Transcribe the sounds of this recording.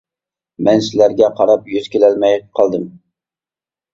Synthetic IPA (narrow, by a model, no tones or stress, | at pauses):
mɛnsɪlæɾɡʲɛqʰɑɾɑpjyz̥kʲelɛlmɛjqʰɑlˠd̪ɨm